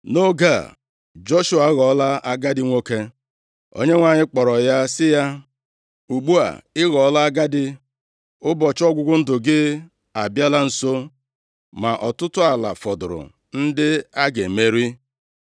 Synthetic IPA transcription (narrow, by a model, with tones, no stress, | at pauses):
no˦ɡa˨ | d͡ʒo˦ʃu˨a˨˦ɣɔ˨˦la˦a˦ɡa˦dɪ˦ŋʷo˦ke˦ | o̰˦ɲe˦ŋʷa˨ɲɪ˦k͡pɔ˨ɾɔ˨ja˦sɪ˦ja˦ | u˨ɡ͡bu˦a̰˨ɪ˦ɣɔ˨˦la˦a˦ɡa˦dɪ˦ | ʊ˦bɔ˨t͡ʃɔ˦ɡʷʊ˦ɡʷʊ˦n̩˦dʊ˨ɡɪ˦ | a˨bja˦la˦n̩˨so˦ | ma˨ʔɔ˨tʊ˦tʊ˦a˨la̰˨fɔ˨dʊ˨ɾʊ̰˨ | n̩˦dɪ˦a˦ɡe˨me˦ɾi˦